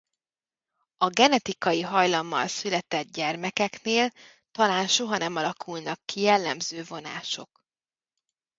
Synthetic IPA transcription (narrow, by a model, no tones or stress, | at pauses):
ɒɡɛnɛt̪ikɒjiɦɒjlɒmːɒ̰lsylɛt̪ɛd̪̚ɟɛrmɛkɛkneːl | t̪ɒlaːnʃo̞ɦɒnɛmɒlɒkʰulnɒkːijɛlːɛmzøːvo̞na̰ːʃo̞k